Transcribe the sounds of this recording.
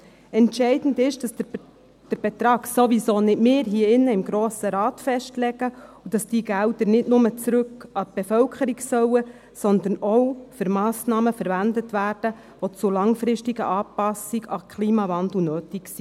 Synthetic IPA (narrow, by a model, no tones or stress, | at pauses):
ɛntʃɛɪdn̩dɪʃd̥ɑs | d̥əɾb̥ɛt̪ɾɑːɡsoʋisoːnɪtmɪːɾɦiːɪnːəɪmɡɾoːsəɾɑːtfɛʃtlɛɡəud̥ɑsd̥iːɡældəɾnɪdnʊmət͡sɾʉkːɑt̪̚b̥efœlkʰəɾiksœwə | sɔnd̪ənɔwfʏɾmɑːsnɑːməfəɾʋændətʋæːrd̥ə | ʋot͡sʊlɑŋfɾɪʃtiɡə̰ʔɑːpɑsiɡɑkʰliːmɑvɑndl̩ˠnøːtiksi